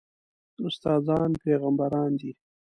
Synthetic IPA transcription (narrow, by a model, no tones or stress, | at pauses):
ʊst̪ɑːzɑnpeɣambaɾɑːnd̪i